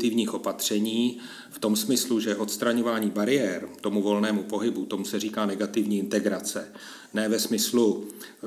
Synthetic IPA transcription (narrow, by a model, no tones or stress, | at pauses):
t̪ɪvɲiːxʔo̞pat̪r̝̥ɛɲiː | ft̪o̞msmɪsluʒɛʔo̞t̪st̪ɾaɲo̞vaːɲiːbaɾɪjɛɾt̪o̞muvo̞lnɛːmupo̞ɦɪbut̪o̞musɛriːkaːnɛɡat̪ɪvɲiːɪnt̪ɛɡɾat͡sɛ | nɛːvɛsmɪslu